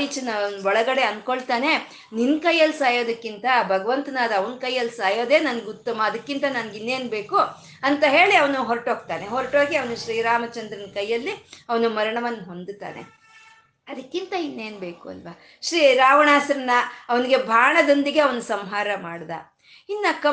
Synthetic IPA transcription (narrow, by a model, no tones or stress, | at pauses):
it͡ʃɐnɐʋnuʋɔɭɐɡɐɽe̞ɐnkoɭt̪aːne̞ | ninːkɐjːɐlːsaːjo̞ːd̪ɐkːint̪ɐbʱɐɡɐʋɐnt̪ɐnaːd̪ɐʋɐnkɐjːɐlsaːjo̞ːd̪e̞ːnɐnɐɡut̪ːɐmɐːd̪ɐkːint̪ɐnɐnɐɡinːe̞ːnbe̞ːku | ɐnt̪ɐɦe̞ːɭiɐʋɐnuɦoɾʈoːɡ̚t̪aːneɦoɾʈoːɡiɐʋɐnuʃɾiːɾaːmɐt͡ʃɐnd̪ɾɐnkɐjːɐlːiɐʋɐnumɐɾɐɳɐʋɐnːɐɦo̞nd̪t̪a̰ːne̞̰ | ɐd̪ɐkːint̪ɐinːe̞ːnbe̞ːkuɐ̰lʋa | ʃɾiːɾaːʋɐɳaːsɐɾɐnːɐːʋɐniɡe̞bʱaːɳɐd̪ond̪iɡe̞ɐʋɐnusɐmɦaːɾɐmaːɽd̪a̰ː | inːɐkɐ